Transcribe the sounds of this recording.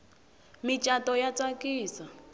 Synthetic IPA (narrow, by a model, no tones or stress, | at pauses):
mit͡ʃʼatɔjat͡sʼakʼiːsa